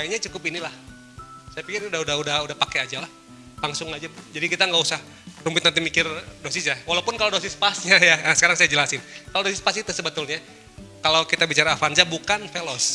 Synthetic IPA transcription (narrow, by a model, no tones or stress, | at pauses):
aiɲat͡ʃukʊpinilah | sajapikɪrudahudahudahudahpakead͡ʒalah | laŋsʊŋad͡ʒad͡ʒadikit̪aŋɡausah | rumbɪt̪nant̪imikɪrdosisjawalaupʊnkalodosɪspasɲajaəsə̥kaɾaŋsajad͡ʒəlasɪnkaladosɪspasit̪usəbət̪ʊlɲa | kalowkit̪abit͡ʃaɾaːfand͡ʒabukanfelɔs